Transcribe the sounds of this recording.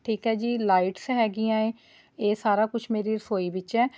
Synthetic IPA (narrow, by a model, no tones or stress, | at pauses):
ʈʰiːkɦɛːd͡ʒiːlaːiʈsɦɛːɡiːãːẽː | eːsaːɾaːkʊt͡ʃʰmeːɾiːɾəsoːiːbɪt͡ʃɛː